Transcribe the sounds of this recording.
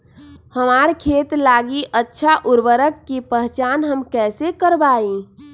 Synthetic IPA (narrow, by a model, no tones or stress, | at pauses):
həmaɾkʰet̪laɡiʔətːʃʰaʔʊɾbəɾəkːipəɦt͡ʃaːnɦəmkɛːsekəɾbaːi